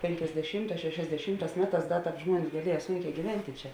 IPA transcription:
pʲeːŋʲkʲɛzʲdʲɛˈʃʲiːmˌtɑːs ʃʲɛʃʲɛzʲdʲɛˈʃʲiːmˌtɑːs ˈmʲæːˌtɑːs ˈdɐ ˈtɑːp ˈʒmuɔnʲɪs ɡɐˈlʲiɛjɛ ˈsuːŋʲˌkʲɛː ɡʲiːˈʋʲɛnʲtʲɪ ˈt͡ʃʲɛ

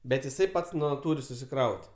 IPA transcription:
bʲɛt jɪˈsɐɪ ˈpɐts ˈnʊ ˈtuːrʲɪ sʊsʲɪˈkrɐʊtʲ

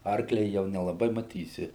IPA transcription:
ˈɐrklʲɛ jɛʊ nʲɛlˠɐˈbɐɪ mɐˈtʲiːsʲɪ

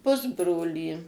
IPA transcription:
ˈpʊzbroːlʲiː

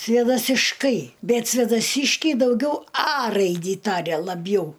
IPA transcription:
sʲʋʲeːdɐsʲɪʃˈkɐɪ ˈbʲɛt sʲʋʲeːdɐˈsʲɪʃʲkʲɛɪ dɐʊˈɡʲɛʊ ɐ ˈrɐɪdʲiː ˈtɑːrʲɛ lˠɐˈbʲjɛʊ

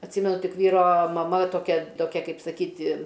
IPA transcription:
ɐtʲˈsʲiːmʲɛnʊ ˈtʲɪk ˈʋʲiːroː mɐˈmɐ toːˈkʲɛ toːˈkʲɛ ˈkɐɪp sɐˈkʲiːtʲɪ

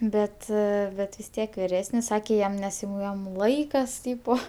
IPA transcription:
ˈbʲɛt ˈbʲɛt ʋʲɪs ˈtʲiɛk ʋʲɪˈrʲæːsʲnʲɪs ˈsɑːkʲeː ˈjɛm nʲɛs jɛʊ ˈjɛm ˈlˠɐɪkɐs ˈtʲiːpoː

